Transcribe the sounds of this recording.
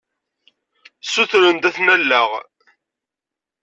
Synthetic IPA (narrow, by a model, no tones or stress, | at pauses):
suθɾənt̪æθnælːəʁ